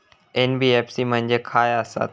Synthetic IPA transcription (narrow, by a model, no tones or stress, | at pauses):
enbieːpsimə̃ɦɪ̃ɲd͡ʑekʰaːjasa̰